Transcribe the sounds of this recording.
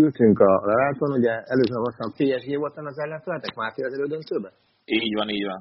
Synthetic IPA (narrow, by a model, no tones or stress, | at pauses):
ylt̪yŋkɒlɛɾaːt̪onuɟɛɛløːzønɒɦost̪ɒmpeːɛʒɡeːvo̞lt̪ɒnɒzɛllɛnt̪ølɛt̪ɛkmaːt̪eːlɒzɛɾøːd̪ønt̪øːbɛ | iːɟvɒniːɟʋɒn